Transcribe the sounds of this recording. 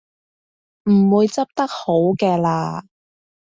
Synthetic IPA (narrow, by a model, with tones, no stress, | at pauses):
m̩˨˩wuː˨˧jt͡sɐ˥p̚t̪ɐ˥k̚ho˨˥wkɛː˧laː˧